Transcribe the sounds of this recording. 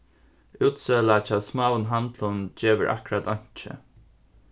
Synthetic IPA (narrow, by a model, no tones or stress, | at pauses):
uːt̪seːlat͡ʃʰaːsmaːwənɦant̪lʊnt͡ʃeːʋəɹʔa̰kɹat̪ɔɲ̥t͡ʃɪ̰